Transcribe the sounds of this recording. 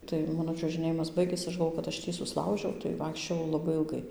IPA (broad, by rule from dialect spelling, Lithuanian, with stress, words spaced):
tɐɪ ˈmɑːnoː t͡ʃʲuɔʒɨˈnʲeːjɪmɐs ˈbɐɪɡʲeːs ˈɐʃ ɡɐlˠˈʋoː kɐt ˈɐʃ ˈtʲiː sʊsˈlˠɐʊʒʲɛʊ tɐɪ ˈʋɐɪkʃʲt͡ʃʲoːjɛʊ lˠɐˈbɐɪ ɪlˠˈɡɐɪ